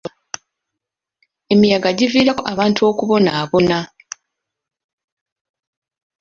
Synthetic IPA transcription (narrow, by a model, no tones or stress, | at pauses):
e̞mijaɡaɟiviːɾako̞ʔaβaːntʰuo̞kuβo̞naːβo̞na